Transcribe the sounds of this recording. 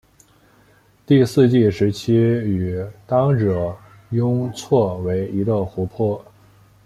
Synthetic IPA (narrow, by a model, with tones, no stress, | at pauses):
t̪i˥˧sɹ̩˥˧t͡ɕi˥˩ʂɻ̩˧˥t͡ɕʰi˥y˨˩t̪ɑ˥ŋʈ͡ʂɤ˨˩˦ | jʊ˥ŋt͡sʰwɔ˥˩we˧˥ɪi˧˥ɡə˧xu˧˥pʰwɔ˥˩